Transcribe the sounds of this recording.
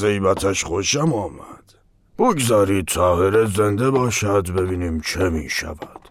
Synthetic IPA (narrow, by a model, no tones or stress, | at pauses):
ɛibat̪ʰaʃχɔʃamɑma̰d̪̥ | b̥uɡzaɾit̪̚t͡s̪ʰahɛɾɛzɛnd̪ɛbɑʃad̪bɛbinimt͡ʃʰɛmiʃa̰vad̪̥